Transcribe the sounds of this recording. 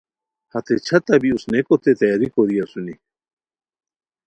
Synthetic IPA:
hɐt̪et͡ɕʰɐt̪ɐbiusnekot̪et̪ɐjaɾikoɾijasuni

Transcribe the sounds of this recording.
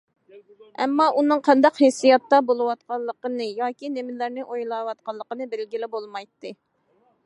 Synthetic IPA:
ɛ̰mːɑʔunɨŋqʰɑnd̪ɑqhesijɑt̪ːɑbolˠɨwɑt̪̚qɑlˠːəqənɨjɑːkʲinemɪlæɾnɪʔojlˠɑwɑt̪̚qɑlˠːəqənɨbɪlɡʲilɪbolˠmɑjt̪ːɨ

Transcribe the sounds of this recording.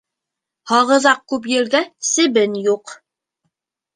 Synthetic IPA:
hɑʁɤ̆zɑq̚kʉp̬jɘ̆lɡæsɘ̆βɘnjuq

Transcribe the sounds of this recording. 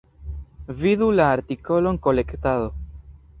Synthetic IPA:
vidulaːɾtiko̞lo̞ŋko̞le̞kt̪aðo̞

